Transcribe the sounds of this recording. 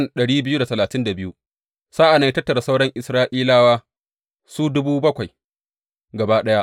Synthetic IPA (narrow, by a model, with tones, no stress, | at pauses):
nɗɐ˨ɽiː˦bɪ˦ju˦da˨tɐ˨laː˨tɪ˦nda˨bɪ˦ju˦ | saː˦ʔa˨na˦jtɐ˦tːɐ˨ɾa˨sa˦wɽɐ˦ŋʔɪ˨sɾaː˦ʔiː˦laː˦waː˦ | suː˦dʊ˦buː˦bɐ˦kʷa˨j | ɡɐ˨baː˦ɗɐ˦ja˦